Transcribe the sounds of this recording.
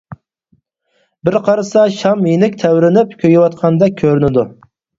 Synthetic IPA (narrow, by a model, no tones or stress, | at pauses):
bɪɾqʰɑɾɨsɑʃɑmjenɪkʲt̪ʰæwɾɪnɪpkʲʰøjɪwɑt̪qʰɑnd̪ɛkʲʰøɾynɪd̪u